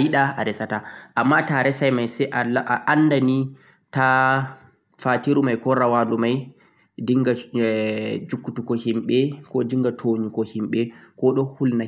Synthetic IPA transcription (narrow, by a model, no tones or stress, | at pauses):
jiɗaaɾɛsataʔamːataɾɛsajmajsɛʔaʔaʔanːdani | ta | fatiɾumajkɔɾawadumaj | diŋɡa | d͡ʒukːutukɔhimɓɛkɔdiŋɡatʰoɲukɔhimɓɛkɔɗɔhulna